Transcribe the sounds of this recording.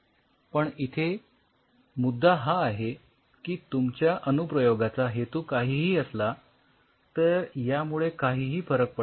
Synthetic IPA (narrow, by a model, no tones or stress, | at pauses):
pəɳit̪ʰe | mud̪ʱːaɦaːɦe | kiːt̪umt͡ɕjaʔənupɾəjoɡat͡saɦet̪uːkaɦiːɦiːəsla | t̪əɾjamuɭekaɦiːɦiːfəɾək̚pə